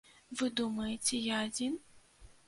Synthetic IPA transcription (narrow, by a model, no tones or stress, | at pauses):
vɨd̪umɐjet͡sʲɛjaːd͡zʲin